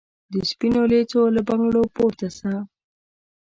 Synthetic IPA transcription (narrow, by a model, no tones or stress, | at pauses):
d̪əspinolet͡soləbaŋɡɽopoɾt̪asa